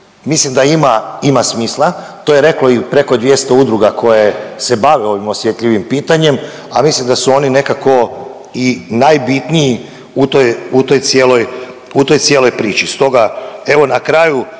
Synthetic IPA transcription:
mislimd̪aimaimasmiːslˠa | t̪ojeɾe̞klo̞ipɾe̞ko̞d̪ʋje̞st̪oud̪ɾuɡakʰo̞je̞se̞baʋeo̞ʋimo̞sjet̪ʎʲiʋimpiːt̪aɲe̞m | amislimd̪asuo̞nine̞kako̞ | inajbit̪niji | ut̪ojut̪o̞jt̪sje̞ːlo̞j | ut̪o̞jt̪sjeːlo̞jpɾiːt͡ʃist̪o̞ɡae̞ʋo̞nakɾaːju

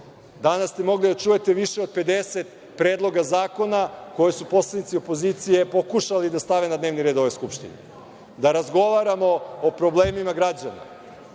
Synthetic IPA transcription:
d̪anast̪emo̞ɡlid̪at͡ʃuje̞t̪eʋiʃeo̞d̪̚pe̞d̪eset̪ | pɾeːd̪lˠo̞ɡazaːko̞nako̞jesupo̞slˠanit̪sio̞po̞zit̪sije̞po̞kuʃalid̪ast̪aʋenad̪neːʋniɾe̞d̪o̞ʋo̞skupʃt̪ḭne | d̪aɾazɡo̞ʋaɾamo̞ːpɾo̞ble̞ːmimaɡɾad͡ʑana̰

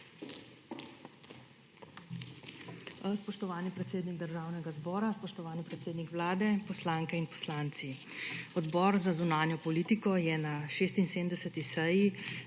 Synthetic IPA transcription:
spɔʃt̪ɔʋaːnipɾɛt̪seːd̪niɡd̪əɾʒaːwnɛɡazbɔːɾaspɔʃt̪ɔʋaːnipɾɛt̪seːd̪nikʋlaːd̪ɛpɔslaːŋkɛinpɔ̥slaːnt̪si | ɔd̪bɔːɾzazunaːnjɔpɔliːt̪ikɔjɛnaʃeːst̪inseːmd̪ɛsɛt̪isɛji

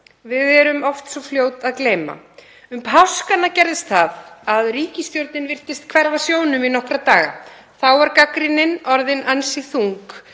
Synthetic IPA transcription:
vɪðɛɾʏmɔft̪sɔfljoːwt̪aðkleːjma̰ | ʏmpʰawskanːacɛɾðɪst̪θaðaðriːcɪst̪joɾt̪nɪnvɪr̥t̪ɪst̪̚kʰvɛɾvasjoːwnʏminɔhkɾat̪aːɣa̰ | θawvaɾkakɾɪnɪnɔɾðɪnansɪθuŋk

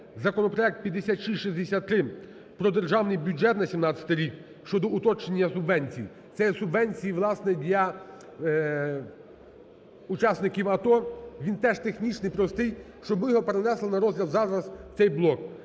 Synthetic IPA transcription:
zɐkɔnɔpɾɔɛk̚t̪̚pʲjɐd̪esʲat̪ʃiʃizʲd̪esʲat̪ːɾɪ | pɾɔd̪erʒɑwnɪjbʲud͡ʒɛt̪nɐsʲimnɑt͡sʲɐ̥t̪ɪɾʲik | ʃt͡ʃɔd̪ɔʊt̪ɔt͡ʃenʲːɐsʊbʋɛnʲt͡sʲiji | t̪sɛjɛsʊbʋɛnʲt͡sʲijiʋlˠɑsnɛd̪ʲlʲɐ | ʊt͡ʃɑsnɪkʲiwɐt̪ɔʋʲint̪ɛʒt̪exnʲit͡ʃnɪjpɾɔst̪ɪj | ʃt͡ʃɔbɪjɔɦɔpeɾenɛslˠɐnɐɾɔzɦlʲɐlzɑzɾɐst̪ɛjblˠɔk

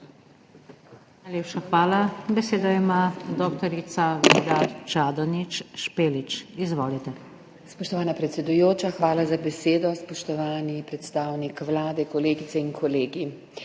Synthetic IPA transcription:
nnajleːpʃaxʋaːlabɛseːd̪ɔimad̪ɔːkt̪ɔɾit̪saɡiːd̪at͡ʃaːd̪ɔnit͡ʃʃpeːlit͡ʃizʋoːlit̪ɛ | spɔʃt̪ɔʋaːnapɾɛt̪sʲɛd̪ujoːt͡ʃaxʋaːlazabɛseːd̪ɔspɔʃt̪ɔʋaːnipɾɛt̪st̪aːwnikʋlaːd̪ɛkɔleːɡit̪sɛiŋkʰɔleːɡi

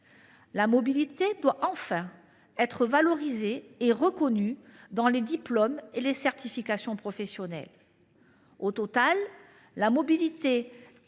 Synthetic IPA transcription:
lamɔbilit̪ed̪waʔɑ̃fɛ̃ | ɛt̪χəvalɔʁizeːʁəkɔnyd̪ɑ̃led̪iplɔmelesɛʁt̪ifikasjɔ̃pχɔfɛsjɔnɛ̰l | ot̪ɔt̪alː | amɔbilit̪e

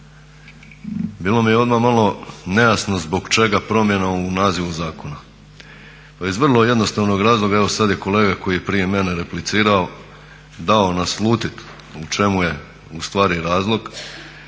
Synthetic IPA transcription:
biːlo̞mijeo̞d̪mamalˠo̞ne̞jasno̞zbo̞ɡt͡ʃe̞ɡapɾo̞mje̞naounaːziʋuzaːko̞na | paizʋr̩lˠo̞je̞d̪no̞st̪aːʋno̞ɡɾaːzlˠo̞ɡaeʋo̞sad̪je̞ko̞le̞ːɡako̞jipɾije̞me̞neɾe̞plit̪siːɾao | d̪aonaslˠuːt̪it̪ | ut͡ʃe̞muje̞ | ust̪ʋaːɾiɾaːzlˠo̞ɡ

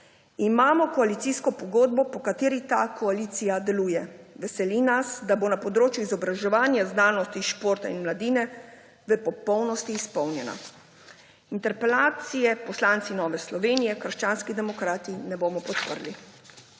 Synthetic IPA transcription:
imaːmɔkɔalit̪siskɔpɔɡoːd̪̚bɔpɔkat̪eːɾit̪akʰɔaliːt̪sijad̪ɛluːjɛʋɛsɛlinasd̪abonapɔd̪ɾoːt͡ʃjuizɔbɾaʒɛʋaːnjaznaːnɔst̪iʃpoːɾt̪ainmlad̪iːnɛ | ʋɛpɔpɔwnɔst̪iːspɔwnjɛna̰ | int̪ɛɾpɛlaːt̪sijɛpɔslant̪sinɔːʋɛslɔʋeːnijɛkəɾʃt͡ʃaːnskid̪ɛmɔkɾaːt̪inɛboːmɔpɔt̪pəɾli

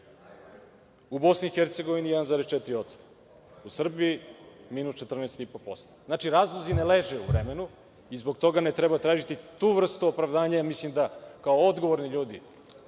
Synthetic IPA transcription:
ubo̞sniixeɾt̪seɡo̞ʋinijɛd̪anzaːɾest͡ʃɛt̪ɾio̞t̪st̪o | usr̩biiminust͡ʃet̪r̩nɛst̪ipopo̞st̪oznaːt͡ʃiɾaːzlˠozineleʒeuvɾemenu | izbo̞ɡ̚t̪o̞ɡanet̪ɾebat̪ɾaːʒit̪it̪uːʋr̩st̪uopɾaʋd̪aːɲajamislimd̪akaood̪ɡo̞ʋoɾniʎuːd̪ḭ

